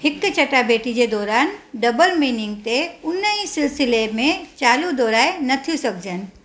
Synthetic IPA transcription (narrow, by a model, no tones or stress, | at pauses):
hɪkːt͡ʃɐʈabeːʈid͡ʑed̪ɔːɾaːnɖɐbəlmiːnɪ̃ŋɡ̚t̪eʊnːəĩsɪlsɪlemẽt͡ʃaːlud̪ɔːɾaːenɐt̪ʰisɐk̚d͡ʒən̆